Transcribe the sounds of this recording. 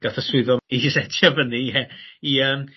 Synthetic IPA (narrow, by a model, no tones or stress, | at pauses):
ɡ̥aθasɪðɔisɛtʰjavəniɛiəːm